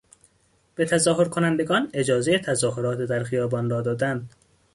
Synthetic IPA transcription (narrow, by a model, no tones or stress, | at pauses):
b̥et̪ʰæzɒːɦoɾkʰonænd̪eɡɒːned͡ʒɒːzejet̪ʰæzɒːɦoɾɒːt̪ed̪æɾxijɒːbɒːnɾɒːd̪ɒːd̪ænd̪